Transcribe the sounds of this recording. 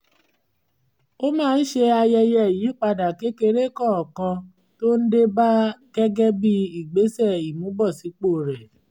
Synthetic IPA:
o˦mãː˦˧n̩˦ʃe˧a˧jɛ˧jɛ˧˨jĩ˨˦k͡pa˧da˨ke˨˦ke˧ɾe˦˨kɔ˦˨kã˧ | to˦n̩˦de˦ba˦ɡ̥ɛ˦ɡɛ˦bi˦i˦˨ɡ͡be˨˦sɛ˦˨i˨mũ˨˦bɔ˦˨si˨˦k͡po˦˨ɾɛ˨

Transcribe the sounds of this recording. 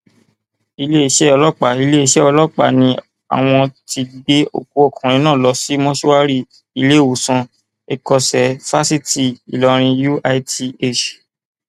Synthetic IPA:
i˧le˦i˧ʃɛ˦ɔ˧lɔ˦˨k͡pa˨i˧le˦i˧ʃɛ˦ɔ˧lɔ˦k͡pa̰˨nĩ˧˦ | a̰˨w̃ɔ̃˧ti˧ɡ͡be˦o̰˦˨k̚u˨˦ɔ˦˨kʰɔ̃˨ɾ̃ĩ˧nãː˦˨lɔ˧˦si˦mɔ̃˦ʃu˦wa˦ɾi˦˨ | i˧le˦˨wo˨sã˧ | e˧kɔ˧sɛ˨fa˦si˦ti˦˨i˨lɔ˧ɾ̃ĩ˧ju˦a˧˦ti˧e˦˨t͡ʃ

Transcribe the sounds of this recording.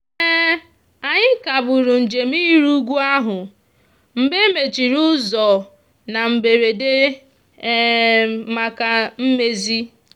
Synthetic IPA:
ɛ˦ | a˨ɲɪ˦ka˨bʊ˨ɾʊ˨n̩˨d͡ʒe˨miː˦ɾu˦ɡʷu˦a˦ɦʊ˨ | m̩˨be˦me˨t͡ʃi˨ɾu˦zɔ˨ | na˨m̩˨be˨ɾe˨de˦ | ma˨ka˨m̩˦me˦zi˦

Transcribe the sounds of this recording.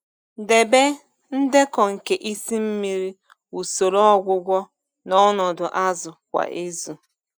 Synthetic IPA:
de˨be˦ | n̩˦dɪ˦kɔ˨ŋ̩˨ke˨ʔi˦si˦m̩˦mi˦ɾi˦ | u˨so˨ɾɔ˦ɔ˦ɡʷʊ˦ɡʷɔ˦ | nɔ˦nɔ˨dʊ˨ʔa˦zʊ˨kʷa̰˨ʔe˦zu˨

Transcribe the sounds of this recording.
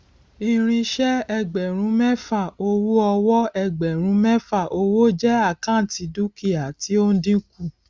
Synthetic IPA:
i˧˦˧ɾ̃ĩ˧ʃɛ˦ɛ˧ɡ͡bɛ˨ɾ̃ũ˨˦mɛ˦fa˦˨o˧wu˦ɔ˧wɔ˦ɛ˧ɡ͡bɛ˨ɾ̃ũ˨˧˦mɛ˦fa˦˨ʔo˧wo˦˨d͡ʒɛ˦a˦˨kã˦˨ti˨˧du˦ki˦˨a˨ti˨˦o˦n̩˦dĩ˦ku˦˨

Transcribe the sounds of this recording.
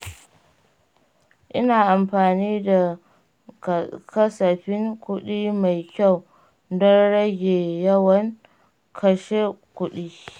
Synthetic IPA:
ʔɪ˦naː˨ʔa˨mɸaː˨niː˦da˨ | kɐ˦sɐ˨ɸɪ˦ŋkʷʊ˦ɗiː˦ma˨jkʲa˦˨w | dɔ˦nɽɐ˦ɡʲeː˨jɐ˦wɐ˦ŋ | kʰɐ˨ʃeː˦kʷʊ˦ɗiː˦

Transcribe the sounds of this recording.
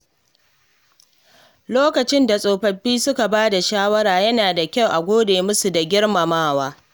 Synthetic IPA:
loː˦kɐ˨t͡ʃɪ˦nda˨sʼoː˨ɸɐ˨ɸːiː˦sʊ˦ka˨baː˦da˨ʃaː˦wɐ˦ɾaː˨jɐ˦naː˨da˨kʲa˦˨wʔa˨ɡʷoː˦deː˨mʊ˦su˨da˨ɡʲɪ˦ɽma˨maː˦waː˦

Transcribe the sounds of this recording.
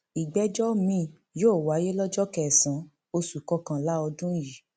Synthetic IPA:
i˨ɡ͡bɛ˨˦d͡ʒɔ˦mĩ˦˨ | joː˦˨wa˨˦je˦lɔ˦d͡ʒɔ˦kɛ˦˨sã˨˦ | o˧su˨kɔ˧kã˨la˦ɔ˧dũ˦ji˨

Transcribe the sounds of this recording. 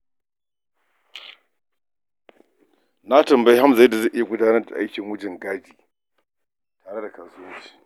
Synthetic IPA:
na˦tɐ˨mbɐ˦jha˦mza˨ji˦da˨za˦˨ʔɪ˦ja˨ɡʷʊ˦daː˦nɐ˦rda˨ʔa̰˦jkʲɪ˨ŋwʊ˦d͡ʒɪ˨ŋɡaː˦d͡ʒiː˨ | taː˨ɽe˦da˨kaː˨sʊ˦ɐ˦wt͡ʃi̥ː˨

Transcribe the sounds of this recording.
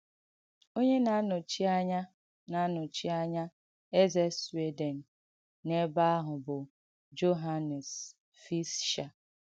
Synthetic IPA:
o˦ɲe˦na˨˦nʊ˨t͡ʃi˦a˦ɲa˦ | na˨˦nʊ˨t͡ʃi˦a˦ɲa˦ | e˦ze˦swe˦de˨n̩˨ | ne˦ba˦a˦ɦʊ˨bʊ˨ | d͡ʒo˦ɦa˦ne˨s | fi˦sʃa˨

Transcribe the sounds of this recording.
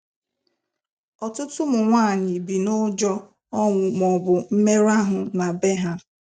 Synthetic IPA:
ɔ˨tʊ˦tʊ˦mʊ˨ŋʷaː˦˨ɲɪ˨bi˨nʊ˦d͡ʒɔ˦ | ɔ˦ŋʷʊ˨mɔ˨bʊ˨m̩˦me˦ɾa˦ɦʊ˨na˨be˦ɦa˦

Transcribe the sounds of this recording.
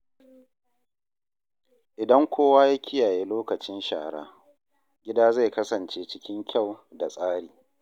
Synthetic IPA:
ʔɪ˨dɐ˦ŋkʷʰoː˦waː˦ja˦kʲʰɪ˦jaː˨jeː˦loː˦kɐ˨t͡ʃɪ˦nʃa̰ː˨ɽa̰ː˦ | ɡʲɪ˦daː˦za˦˨jkɐ˦sɐ˨nt͡ʃeː˦t͡ʃɪ˦kʲɪ˦ŋkʲa˦˨wda˨sʼaː˦ɽiː˨

